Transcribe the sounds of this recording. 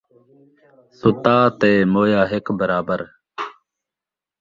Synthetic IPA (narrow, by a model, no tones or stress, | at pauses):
sʊt̪aːt̪eːmoːjaːɦekbəɾaːbəɾ